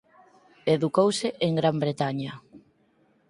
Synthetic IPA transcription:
eðukowseʔeŋɡɾambɾet̪aɲɐ

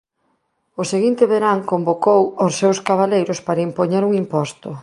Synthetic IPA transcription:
oseɣint̪ɪβeɾaŋkombokowosːewskaβ̞alejɾʊspaɾɐimpoɲeɾuŋimpɔst̪ʊ

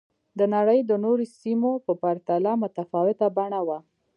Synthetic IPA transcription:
d̪ənaɽəjd̪ənoɾesimopəpaɾt̪alamʊt̪afɑwɪt̪abaɳawa

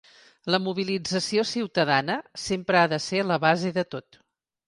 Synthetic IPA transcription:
ləmuβ̞ilid͡zəsiosiwt̪əðanəsempɾəaðəseləβazeðət̪ot̪

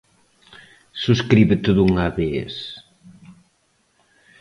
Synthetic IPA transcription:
suskɾiβɪt̪eðuŋaβeḛs

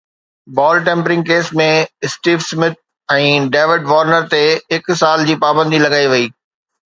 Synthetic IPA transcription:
bɔːlʈẽːmpɾɪ̃ŋɡ̚keːsmẽɪsʈiːʋsmɪt̪̚ | ɛ̃ːɖeːʋɪɖʋɔːɾnəɾt̪eɦɪksaːld͡ʑiːpaːbə̃nd̪ʱilɐɡaːiʋɐiː

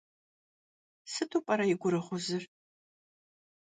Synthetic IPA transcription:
sɨtʰʼupʼɐɾɐjɪɡʷʊɾɨχʷʊzɨr

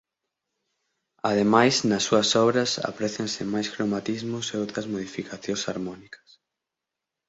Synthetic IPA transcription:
aðemajsnɐsːuɐsɔβɾɐsa̰pɾɛθensɪmajskɾomat̪izmʊseowt̪ɾɐzmoð̞ifikaθjõnsaɾmɔnikɐ̥s

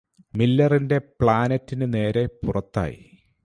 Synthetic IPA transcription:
milːɐrinde̞pɭaːnɐtːinɨne̞ːɾe̞purɐt̪ːa̰ːjḭ

